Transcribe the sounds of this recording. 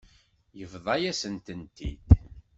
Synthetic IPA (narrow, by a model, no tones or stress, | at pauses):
jəvðˤɑjæsənt̪ənt̪ḭd̪̥